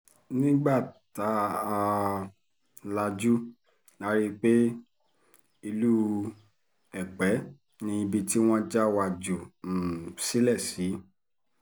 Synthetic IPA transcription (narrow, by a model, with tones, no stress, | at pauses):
nĩ˦ɡ͡ba˦˨ta˨˦a˧ | la˧d͡ʒu˦ | nã˨˦ɾi˧k͡pe˦ | i˧lu˦ | ɛ˨k͡pɛ˨˦ | nĩ˧bi˧ti˦w̃ɔ̃˦d͡ʒa˦wa˧d͡ʒu˨ | si˦lɛ˦˨si˨˦